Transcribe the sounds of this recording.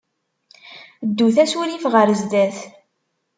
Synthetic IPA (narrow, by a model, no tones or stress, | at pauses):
d̪ːuθæsuɾifʁəɾzd̪æθ